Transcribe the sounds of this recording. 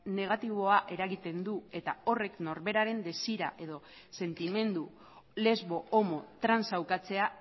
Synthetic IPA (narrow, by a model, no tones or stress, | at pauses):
ne̞ɣ̞at̪iβ̞o̞aʔe̞ɾaɣit̪e̞nd̪ue̞t̪ao̞re̞kno̞ɾβe̞ɾaɾe̞nd̪e̞siɾaʔe̞ðo̞ | se̞nt̪ime̞nd̪u | le̞zβo̞omo̞t̪ɾansawkat͡se̞a